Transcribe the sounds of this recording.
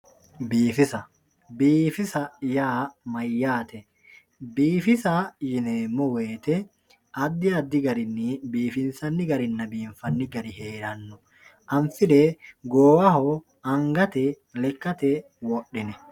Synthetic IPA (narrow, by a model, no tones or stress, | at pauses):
biːfɪsɐ | biːfɪsɐjaːmɐjːaːt̪ɛ | biːfɪsaːjɪneːmːɔwe̞ːt̪ɛ | ɐd̪ːɪɐd̪ːɪɡɐɾɪnːɪbiːfɪnsɐnːɪɡɐɾɪnːɐbiːɱfɐnːɪɡɐɾɪheːɾɐnːʊ | ʔɐmfɪleːɡoːwɐɦɔ | ɐŋɡɐt̪ɛ | lɛkːɐt̪ɛ | wɔɗɪnɛ